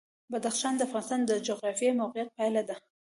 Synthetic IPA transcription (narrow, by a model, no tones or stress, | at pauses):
bad̪axʃɑnd̪əafɣɑnɪst̪ɑnd̪əd͡ʒoɣɾɑfijemawqijat̪̚pajlad̪a